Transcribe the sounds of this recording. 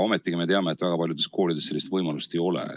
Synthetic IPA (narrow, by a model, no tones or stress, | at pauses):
o̞met̪ːˑiɡime̞t̪e̞ɑmeːt̪ːvæɡ̥ɑpɑljud̪e̞skʰo̞ːlʲid̪ese̞lːist̪vɤjmɑlust̪e̞jo̞lḛ